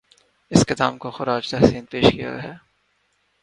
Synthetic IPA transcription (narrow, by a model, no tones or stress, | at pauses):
ɪskɪd̪aːmkoxʊɾaːd͡ʒt̪ɛɦsiːnpeːʃkija̰ɦɛː